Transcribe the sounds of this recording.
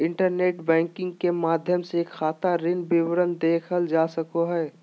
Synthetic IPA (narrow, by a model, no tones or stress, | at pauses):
ɪ̃ɳʈəɾneːʈbɛ̃ːŋkɪ̃ŋɡkemaːd̪ʱjəmsekʰːaːt̪aɾɪnbɪwɾənd̪eːkʰəld͡ʒaːsəkoɦɛː